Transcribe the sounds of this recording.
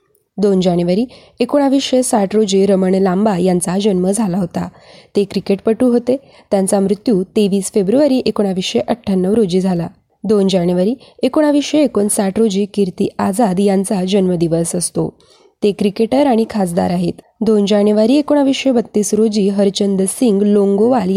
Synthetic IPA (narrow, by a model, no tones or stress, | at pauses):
d̪ond͡ʑanjuʋaɾiː | ekoɽ̃aʋiɕesaʈɾod͡ʑiːɾəməɳlambajant͡sad͡ʑənməd͡zʱalaɦot̪a̰ | t̪ekɾikeʈ̚pəʈuːɦot̪e | t̪jant͡samɾut̪juːt̪eʋiːsfebɾuʋaɾiːʔekoɽ̃aʋiʂeʔəʈʰːanːəʋɾod͡ʑiːd͡zʱala | d̪ond͡ʑanjuʋaɾiːekoɽ̃aʋiʂeːkonsaʈɾod͡ʑiːkiɾt̪iːad͡zad̪jant͡sad͡ʑənməd̪iʋəsəst̪o̰ | t̪ekɾikeʈəɾaɽ̃ikʰasd̪a̰ɾaɦet̪ | d̪ond͡ʑanjuʋaɾiːekoɽ̃aʋiʂebət̪ːiːsɾod͡ʑiːɦəɾt͡ɕənd̪əsiŋɡloŋɡoʋalj